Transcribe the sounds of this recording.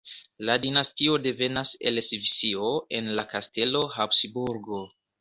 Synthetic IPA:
ladinastio̞de̞ve̞nase̞̰lesvisioenlakaste̞lo̞ɦapsbuɾɡo̞

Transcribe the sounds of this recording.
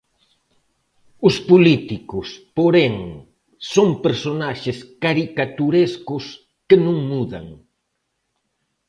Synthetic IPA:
ʊspolit̪ikʊspoɾeŋː | oŋpeɾsonaʃɪskaɾikat̪uɾeskʊs | kenũŋmuða̰ŋ

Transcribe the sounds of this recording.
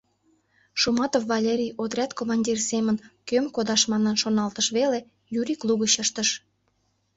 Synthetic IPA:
ʃumɑt̪ofːɑlʲeɾʲijot̪rʲæt̪komɑnʲdʲirsemənkømkod̪ɑʃmɑnənʃonɑlt̪əʃβele | jyɾʲikluɣəɕəʃt̪əʃ

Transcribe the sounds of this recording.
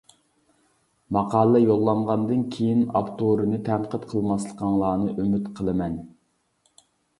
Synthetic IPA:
mɑqʰɑːlˠɨjolˠːɑɴʁɑnd̪ɨnkʲʰejinɑ̰pt̪ʰoɾɨnɨt̪ʰɛɴqət̪qʰəlˠmɑslˠəqʰɑŋlˠɑːnɨʔymyt̪qʰəlˠɨmɛn

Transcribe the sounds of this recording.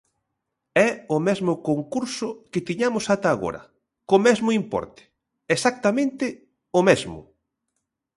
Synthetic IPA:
ɛʊmɛzmʊkoŋkuɾsʊkɪt̪iɲamʊsat̪aːɣo̰ɾɐ̰ | komɛzmʊimpɔ̰ɾt̪ɪ̥ | esak̚t̪amẽnt̪ɪ | omɛzmʊ̰

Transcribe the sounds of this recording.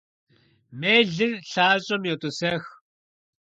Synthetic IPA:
meːɮɨnɬaːɕʼɐmjɔt̪ʼusɛːx

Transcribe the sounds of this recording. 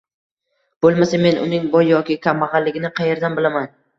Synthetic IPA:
b̥olˠmasame̞nʔʊ̰nɪŋbɒjːɒkʲɪkʲʰamːɑʁɑlːɪɡʲɪnɪqʰɑje̞ɾd̪anbɪlaman

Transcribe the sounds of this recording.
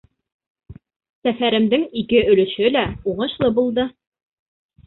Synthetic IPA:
sæfæɾɘ̆md̪ɘŋikɘɵ̆lɵ̆ʃɵlæuʁɤ̆ʃlˠɤbulˠd̪ɤ

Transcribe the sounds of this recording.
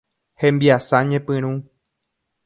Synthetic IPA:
hẽmbiasaɲẽpɨ̃ɾ̃ũ

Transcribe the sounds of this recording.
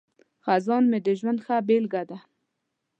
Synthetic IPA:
xazɑnmed̪əʒwand̪xabelɡad̪a

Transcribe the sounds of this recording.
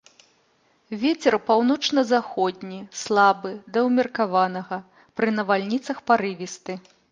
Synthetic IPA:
vʲet͡sʲɛrpawnɔt͡ʂnɐzaxɔd̪ʲnʲislˠabɨd̪ɐwmʲirkavanɐɣɐ | pɾɨnɐvalʲnʲit̪sɐxpaɾɨvʲist̪ɨ

